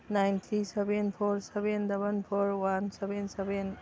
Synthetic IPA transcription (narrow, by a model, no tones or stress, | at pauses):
najnt̪ʰɾisebenpʰɔɾsebendɐbɐnpʰɔɾwansebenseben